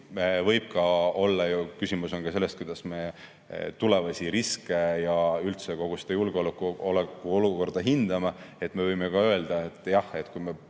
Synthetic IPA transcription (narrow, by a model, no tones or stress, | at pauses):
evɤjb̥̚kɑo̞lːɑjukysimuso̞nkɑse̞lːest̪kujd̪̥ɑsme̞ | t̪ule̞vɑsʲiɾiske̞jɑylt̪seko̞ɡ̥usd̪̥ɑjulɡ̥eolkːˑolekːˑuo̞luko̞rd̪̥ɑɦind̪̥ɑmɑe̞t̪ːˑme̞vɤjmekɑø̞eld̪̥ɑet̪ːˑjɑhe̞t̪kujme